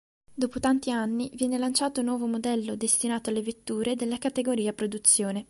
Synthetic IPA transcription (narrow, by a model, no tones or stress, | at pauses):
d̪ɔːpot̪ant̪ianːivjɛːnelant͡ʃaːt̪onwɔːvomod̪ɛlːod̪est̪inaːt̪oalːevet̪ːuːɾed̪elːakat̪eɡoɾiːapɾod̪ut̪sːjoːne